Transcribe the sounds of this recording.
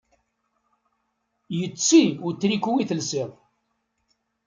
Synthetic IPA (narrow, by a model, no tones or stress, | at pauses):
jət͡sːiʊɾt̪ːɾikuwiθəlsɪðˤ